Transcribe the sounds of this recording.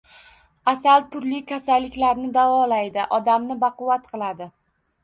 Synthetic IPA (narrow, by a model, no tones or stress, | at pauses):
asalt̪ʰʊɾlɪkʲʰasalːɪkʲlaɾnɪd̪avɒlajd̪ɪʔɒd̪amnɪbaqʊwat̪qʰɨlˠad̪ɪ